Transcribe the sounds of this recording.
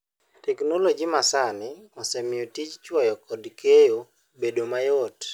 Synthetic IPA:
tɛknolod͡ʒimasanɪɔsɛmɪɔtit͡ʃt͡ʃwɔjɔkɔdkʰejo | bedomajɔt

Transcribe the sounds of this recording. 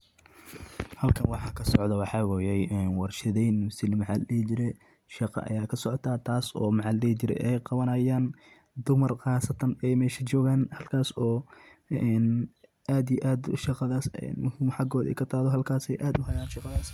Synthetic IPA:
hɐlkʰɐnwɑħɑːkʰɐsɔʕd̪ɐwɑħɑːwɑjɛjɛnwɑrʃɪðɛjnmʊsɪlmɑʕɑldɛht͡ʃɪɾɛ | ʃɑqɑ̰ʔɐ̰jaːkʰɐsɔʕɔt̪ʰaːt̪ʰaːsɔ̰ːmɑʕɑldɛhit͡ʃɪɾɛ̰ʔɛjqɑβɐnɐjaːn | d̪ʊmɐrqɑːsɐt̪ʰɐnɛjmɛːʃɐt͡ʃɔːɣaːnhɐlkʰaːsɔːɛn | ʔaːd̪ijʔaːd̪ʃɑqɑðaːsɛ̰nmʊhimħɑɡɔːðɛ̰jkʰɐt̪ʰaːðɔɦɐlkʰaːsɛjʔaːd̪ʊɦɐjaːnʃɑqɑðaːs

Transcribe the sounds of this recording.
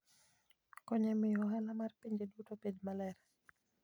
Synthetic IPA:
kɔɲɛmɪjɔɦɛlamarpiɲd͡ʒedutopedmalɛɾ

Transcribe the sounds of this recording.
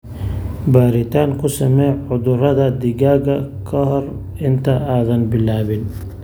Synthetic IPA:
baːɾɪt̪ʰaːŋkʰʊsɐmɛjʕʊðʊrɐðɐd̪ɪɣaːɣɐkʰɔɦɔr | ɪnt̪ʰɐaːðɐnbɪlaːβɪn

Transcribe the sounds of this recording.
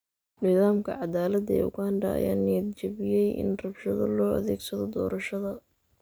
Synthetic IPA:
nɪðaːmkʰɐʕɑd̪aːlɐd̪ɛ̰ʊ̰ɣaɐnɖɐɐ̰ja̰ːnɪɐd̪t͡ʃɐβɪjɛjʔɪ̰nrɐbʃɐðɐlɔːɐ̰ðɛːɡsɐðɔd̪ɔːɾɐʃɐðɐ

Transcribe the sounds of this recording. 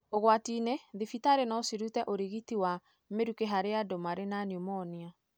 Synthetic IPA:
oɣwatineðifitaɾenɔsiɾutɛʔoɾiɣitiwa | meɾukeɦaɾeadomaɾenanomɔːnia

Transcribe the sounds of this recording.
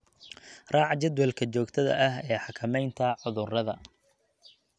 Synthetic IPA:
rɑːʕɑt͡ʃɐd̪wɛlkʰɐt͡ʃɔːɡt̪ʰɐðɐ̰ʔɐɦɛːħɑkʰɐmɛjnt̪ʰɐʕʊðʊrɐðɐ̰

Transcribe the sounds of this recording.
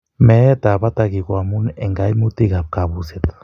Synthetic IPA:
met̪aβat̪aɣikwamuneŋɡajmut̪iɣap̚kaβuset̪

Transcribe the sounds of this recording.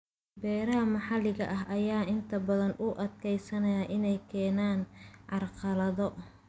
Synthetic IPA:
bɛːɾɐɦɐmɑħɑlɪɣɐʔɐɦʔɐjaːʔɪnt̪ʰɐbɐðɐnʔʊʔɐd̪kʰɛjsɐnɐjaːʔɪnɛjkʰɛːnaːnʕɑrqɑlɐðɔ

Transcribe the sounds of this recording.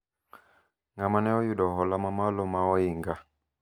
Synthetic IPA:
ŋamanɛɔjuɗɔɦɔlamamalɔmaɔiŋɡa

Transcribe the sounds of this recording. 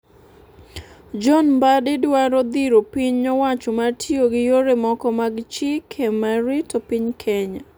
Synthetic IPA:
d͡ʒɔnbadɪdwaɾɔd̪iɾopiɲɲɔwat͡ʃɔmatʰjoɡɪjoɾemɔkɔmaɡt͡ʃɪkʰemaɾitopiɲkʰɛɲa

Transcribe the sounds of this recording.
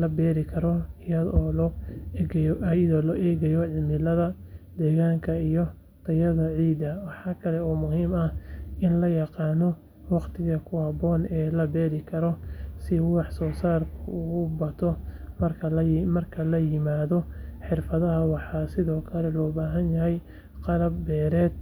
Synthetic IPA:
lɐbɛːɾɪkʰɐɾɔɪjɐðɔːl | jðɔːlɔʔɛːɣɐjɔʕɪmɪlɐðɐ | d̪ɛːɣaːŋkʰɐijɔ | t̪ʰɐjɐðɐʕiːd̪ɐwɑħɑːkʰɐlɛɔːmʊɦiːmɐhɪnlɐjɑqɑːnɔ | wɑqt̪ʰɪɣɐkʰʊhɐbɔːnɛːlɐbɛːɾɪkʰɐɾɔsɪwɑħsɔːsaːrkʰʊːʊbɐt̪ʰɔmɐrkʰɐmɐrkʰɐlɐjɪmaːðɔħɪrfɐðɐɦɐwɑħɑːsɪðɔːkʰɐlɛlɔːbaːɦɐnjɐɦɛj | qɑlɐbːɛːɾɛːd̪̚

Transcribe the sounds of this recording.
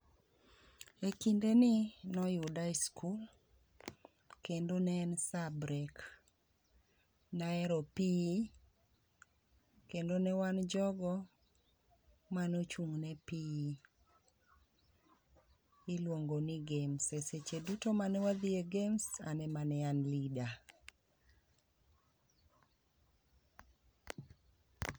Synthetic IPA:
ekindenɪnɔjudaiskʰul | kendonɛːnsabɾek | naɛɾɔpi | kendonɛwand͡ʒɔɡɔ | manot͡ʃuŋnɛpi | ɪlwoŋɡoniɡemseset͡ʃedutomanɛwad̪ieɡemsanɛmanɛanlida

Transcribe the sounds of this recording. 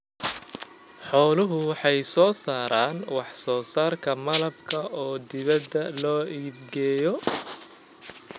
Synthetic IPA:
ħɔːlʊɦʊwɑħɑjsɔːsaːɾaːnwɑħsɔːsaːrkʰɐmɐlɐb̚kʰɐʔɔːd̪ɪβɐd̪ːɐlɔːʔiːbɡɛːjɔ

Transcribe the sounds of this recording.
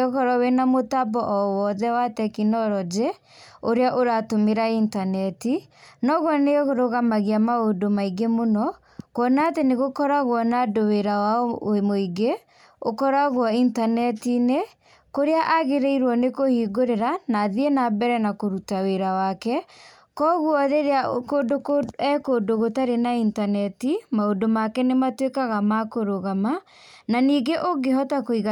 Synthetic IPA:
ɔkɔɾɔwenamotabɔʔɔwɔðɛwatɛkinɔɾɔd͡ʒe | oɾeaʔoɾatomeɾaintanɛtinɔɣwɔneɣoɾoɣamaɣiamaodomaiɡemonɔ | kɔnaːteneɣokɔɾaɣwɔnadoweɾawamoiɡe | okɔɾaɣwɔintanɛtine | koɾeaʔaɣeɾeiɾwɔnekohiːɡoɾeɾanaðienabɛɾɛnakoɾutaweɾawakɛ | kɔɣwɔðeɾeakodokoɛkodoɣotaɾenaintanɛtimaodomakɛnematwekaɣamakoɾoɣama | naniːɡeʔoɡeɦɔtakoiɣa

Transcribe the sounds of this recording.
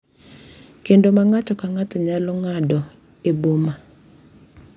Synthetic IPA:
kendomaŋat͡ʃɔkaŋat̪ɔɲalɔŋadɔ | eboma

